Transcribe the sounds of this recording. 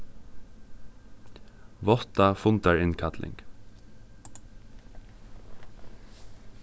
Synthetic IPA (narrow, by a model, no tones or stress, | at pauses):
ʋɔt̪afʊnt̪aɹɪnkʰat̪lʔɪ̰ŋk